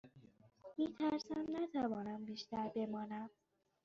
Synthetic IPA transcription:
miːt̪ʰæɾsæmnæt̪ʰævɒːnæmbiːʃt̪æɾbe̞mɒːnæm

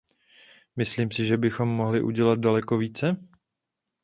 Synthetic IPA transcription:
mɪsliːmsɪʒɛbɪxo̞mːoɦlɪʔṵɟɛlat̪̚dalɛko̞viːt͡sɛ

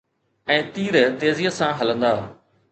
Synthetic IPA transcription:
ɛ̃ːt̪iːɾt̪eːzijəsãɦələ̃nd̪aː

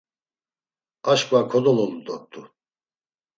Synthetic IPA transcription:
aʃkʼvakʰɔd̪ɔlɔlud̪ɔɾt̪ʼu

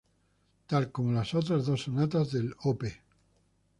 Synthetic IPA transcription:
t̪alkomolasot̪̬ɾazðosonat̪azðelope

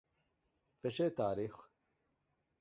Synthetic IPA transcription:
fɛʃeːt̪aːɾiːx

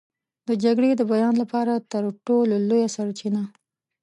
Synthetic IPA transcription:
d̪əd͡ʒaɡɽed̪əbajɑnlapɑɾat̪əɾʈololojasaɾt͡ʃina

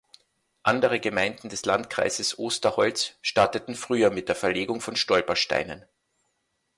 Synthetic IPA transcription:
ʔandəʁəɡəmaɪndn̩dɛslantkʁ̥a̰ɪzəsʔoːstɐhɔlsʃtaɐtətn̩fʁ̥yːɐmɪt̚d̥eːɐfɛɐleːɡʊŋfɔnʃtɔlpɐʃta̰ɪnən

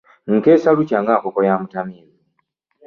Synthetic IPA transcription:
ŋ̩keːsalucaŋɡakokojamutamiːni

